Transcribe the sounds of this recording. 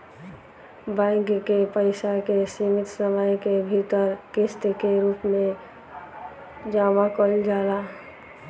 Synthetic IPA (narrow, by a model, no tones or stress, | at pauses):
bãŋkkepəɪsakesimɪt̪səməjkebʱit̪əɾkest̪ekeɾuːpmẽ | d͡ʒaːmakɔɾid͡ʒaːɾa